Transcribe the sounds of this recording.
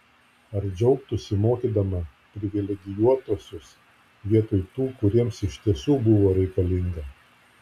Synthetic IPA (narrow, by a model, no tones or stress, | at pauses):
ɐɾd͡ʒʲɛʊkt̪ʊsʲɪmoːkʲiːd̪ɐmɐ | pʲɾʲɪʋʲɪlʲɛɡʲɪjuɔt̪oːsʲʊs | ʋʲiɛt̪oːjt̪uːkʊɾʲiɛmsɪʃt̪ʲiɛsuːbʊʋoːɾʲɛɪkɐlʲɪŋɡɐ